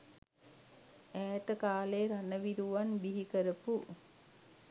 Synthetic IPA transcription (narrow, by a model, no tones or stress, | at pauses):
æːt̪əkaːleːɾanəʋiɾuʋanbiɦikəɾəpu